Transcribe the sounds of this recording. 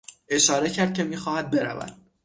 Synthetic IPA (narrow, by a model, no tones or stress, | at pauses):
e̞ʃɒːɾe̞cʰæɾd̪̚cʰe̞miːxɒːhæd̪̚be̞ɾæ̰væ̰d̪̥